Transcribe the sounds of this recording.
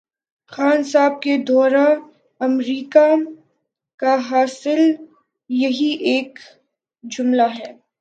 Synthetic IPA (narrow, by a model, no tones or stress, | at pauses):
xaːnsaːb̚ked̪ɔːɾa | ɐmɾiːka | kaɦaːsɪl | jɐɦiʔeːk | d͡ʒʊmlaɦɛː